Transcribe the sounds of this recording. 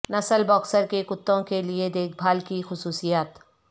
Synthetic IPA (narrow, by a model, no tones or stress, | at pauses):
nɐsəlbɔːksəɾkekʊt̪ːõkelied̪eːk̚ʰbʱaːlkixʊsuːsijaːt̪